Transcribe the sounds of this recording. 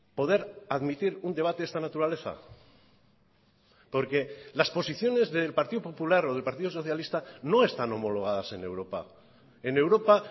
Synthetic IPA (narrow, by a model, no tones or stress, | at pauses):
po̞ðe̞ɾaðmit̪iɾund̪eat̪e̞est̪anat̪uɾale̞θa̰ | po̞ɾke̞laspo̞siθjo̞ne̞zðe̞lpaɾt̪iðopo̞pulaɾo̞ð̞e̞lpaɾt̪iðoso̞θjalist̪ano̞e̞st̪ano̞mo̞lo̞ɣ̞að̞ase̞ne̞wɾo̞pa̰ | ene̞wɾo̞pa